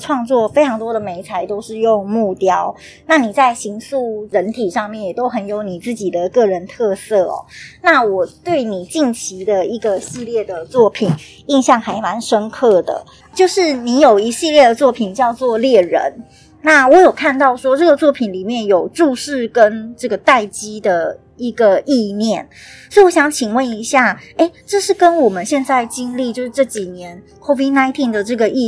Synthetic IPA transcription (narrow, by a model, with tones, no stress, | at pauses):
ʈ͡ʂʰwɑ˥˧ŋt͡swɔ˥˨fe˥ɪʈ͡ʂʰɑ˧˥ŋt̪wɔ˥d̪ə˨me˧˥ɪt͡sʰa˧˥ɪt̪o˥ʊʂɻ̩˥˧jo˥˧ŋmu˥˩t̪jɑ˥ʊ | na˥˩ni˨˩t͡sa˥˩ɪɕi˧˥ŋsu˥˩ɻə˧˥nt̪ʰi˨˩ʂɑ˥˧ŋmjɛ˥˩njɛ˨˩t̪o˥ʊxə˨˩njo˧˥ʊni˨˩t͡sɹ̩˥˩t͡ɕi˨˩d̪ə˩kɤ˥˩ɻə˧˦nt̪ʰɤ˥˧sɤ˥˩ɔ̰˩na˥˩wɔ˨˩t̪we˥˩ɪni˨˩t͡ɕi˥˩nt͡ɕʰi˧˥d̪ə˨i˧˥ɡə˨ɕi˥˧ljɛ˥˩d̪ə˩t͡swɔ˥˩pʰi˨˩n | i˥˧nɕjɑ˥˩ŋxa˧˥ɪma˧˦˥nʂə˥nkʰɤ˥˩d̪ə̰˩ | t͡ɕjo˥˧ʊʂɻ̩˥˩ni˧˥jo˨˩ʊi˧˥ɕi˥˧ljɛ˥˩d̪ə˨˩t͡swɔ˥˩pʰi˨˩nt͡ɕjɑ˥˧ʊt͡swɔ˥˧ljɛ˥˩ɻə̰˧˦n | na˥˩wɔ˧˦˥jo˨˩ʊkʰa˥˧nt̪ɑ˥˩ʊʂwɔ˥ʈ͡ʂɤ˥˩ɡə˩t͡swɔ˥˩pʰi˨˩nli˨˩mjɛ˥˩njo˨˩ʊʈ͡ʂu˥˧ʂɻ̩˥˩kə˦˥nʈ͡ʂɤ˥˩ɡə˩t̪a˥˩ɪt͡ɕi˥d̪ə˨˩ | i˧˥ɡə˨i˥˧njɛ˥˩nso˧˥i˥˨wɔ˦˥ɕjɑ˨˩ŋt͡ɕʰi˨˩ŋwə˥˩ni˧˥ɕja˥˩e˥˩ɪʈ͡ʂɤ˥˧ʂɻ̩˥˩kə˦nwɔ˨˩mə˨nɕjɛ˥˧nt͡sa˥˩ɪt͡ɕi˥nli˥˧t͡ɕjo˥˧ʊʂɻ̩˥˧ʈ͡ʂɤ˥˩t͡ɕi˨˩njɛ˧˦˥n | kʰo˥vi˥na˥ɪt̪ʰi˥˩ŋd̪ə˩ʈ͡ʂɤ˥˩ɡə˩ʔi˥˧